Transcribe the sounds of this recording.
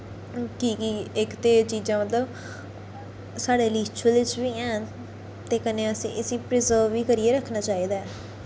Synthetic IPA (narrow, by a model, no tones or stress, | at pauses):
kiːkiɪkt̪eːt͡ʃiːzãːmət̪ləb | saːɽeːliːt͡ʃʊəlʋɪt͡ʃʋiːɛ̃ː | t̪eːkəneːəsḭ̃ːʔəsĩːpɾɪzəːʋiːkəɾiːeːɾəkʰnaːt͡ʃaːiːd̪aːɛː